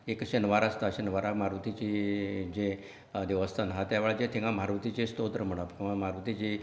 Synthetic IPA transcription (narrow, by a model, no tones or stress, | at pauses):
ekɕənʋaɾast̪aɕənʋaɾamaɾʋət̪it͡ɕid͡ʑe | d̪eʋəst̪ʰanɦat̪jaʋeɭad͡ʑẽt̪ʰĩŋɡãm̤aɾʋət̪it͡ɕest̪od̪ɾəm̤əɽ̃apĩãmaɾʋət̪it͡ɕi